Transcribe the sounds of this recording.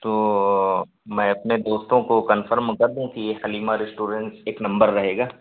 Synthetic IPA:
t̪oː | mɛ̃ɐpned̪oːst̪õkokɐnfʰəɾmkɐɾd̪ũkijexɐliːmaɾɪsʈuːɾeɳʈseːknɐ̃mbəɾːɐɦeːɡaː

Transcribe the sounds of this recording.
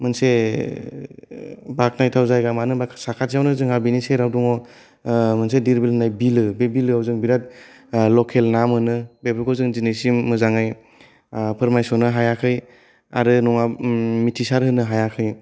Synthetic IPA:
mɯnse | bak̚najtʰawzajɡamanɯbakʰsakʰatijawnɯzɯŋabiniseɾawduŋɔ | mɯnsediɾbilhɯnajbilɯbebilɯawzɯŋbiɾat̚ | lɔkʰelnamɯnɯbebɾɯkʰɔwzɯŋzinesimːɯzaŋaj | pʰɯɾmajsɔnɯɦajakʰɯj | a̰ɾɯnɔŋamitʰisaɾhɯnɯɦajakʰɯj

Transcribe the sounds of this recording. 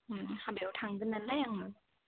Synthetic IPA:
habewtʰaŋdɯnalajaŋmɯ

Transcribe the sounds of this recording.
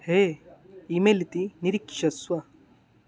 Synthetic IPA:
he | imelit̪iniɾikːi̥ʃɐswa

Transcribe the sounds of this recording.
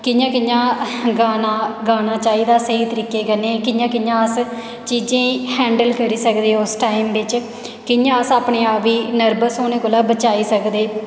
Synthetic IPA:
kɪnjãːkɪjãːɡaːnaːɡaːnaːt͡ʃaːiːd̪aːsəɦiːt̪əɾiːkːeːɡənːeːkɪjãːkɪjãːəs | t͡ʃiːd͡ʒẽːhɛ̃ːɳɖəlkəɾiːsəkd̪eːʊsʈaːimʋɪt͡ʃ | kɪnjãːəsaːpɳeːaːʋiːnəɾbəsoːnẽːkoːlaːbət͡ʃaːiːsəkd̪eː

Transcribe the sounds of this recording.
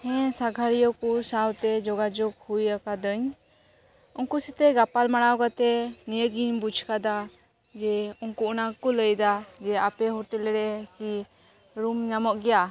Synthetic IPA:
hɛ̃saɡʱaɾijɔkusawt̪ɛd͡ʒɔɡad͡ʒɔɡ̚hujakad̪əɲ | uŋkusit̪ɛɡapalmaɽ̃awɡat̪ɛnijəɡiɲbud͡ʒʰkad̪a | d͡ʒɛuŋkuʔnakɔləjd̪ad͡ʒɛapɛɦɔʈɛlɾɛki | ɾumɲamɔʔɡɛja

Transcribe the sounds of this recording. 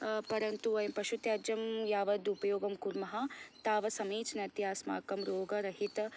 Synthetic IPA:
pɐɾɐnt̪uɐjmpɐʃut̪jaːd͡ʒɐmjaːʋɐd̪upɐjoːɡɐmkuɾmɐɦɐt̪aːʋɐsɐmiːt͡ʃnɐt̪jaːsma̰ːkɐmɾoːɡɐɾɐɦit̪ɐ

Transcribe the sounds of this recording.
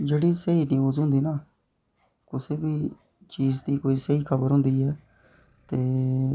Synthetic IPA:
d͡ʒeːɽiːsəɦiːnĩːoːzʊ̃ːnd̪iːnaː | kʊseːbiː | t͡ʃiːzd̪iːkoːiːsəɦiːkʰəbəɾɦʊ̃nd̪iːɦɛː | t̪eː

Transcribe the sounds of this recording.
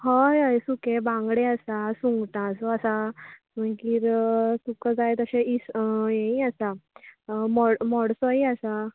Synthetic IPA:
ɦɔjɦajsukebãŋɡɽeasasuŋɡʈãsɔasa | məkiːɾsukəd͡zajt̪əɕẽisjẽiasa | mɔɽmɔɽsɔiasa

